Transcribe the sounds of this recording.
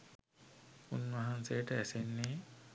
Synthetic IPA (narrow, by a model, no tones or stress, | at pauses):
unʋaɦansejəʈəæsenːeː